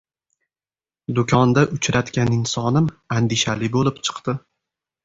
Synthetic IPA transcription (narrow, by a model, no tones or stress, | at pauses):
d̪ʊkʲʰɒnd̪aʔʊt͡ʃʰɾat̪kʲanɪnsɒnɪmand̪ɪʃalɪbolɪp̚t͡ʃʰɨ̥qd̪ɪ